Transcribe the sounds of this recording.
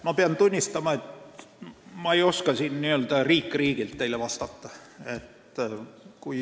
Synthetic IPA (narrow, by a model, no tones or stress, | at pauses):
mɑpeɑnt̪unʲːist̪ɑmɑe̞t̪ | mɑejo̞skɑsinniøld̪̥ɑriːkːˑriːɡ̥ilt̪ːe̞ilevɑst̪ɑt̪ːɑe̞t̪ | kuj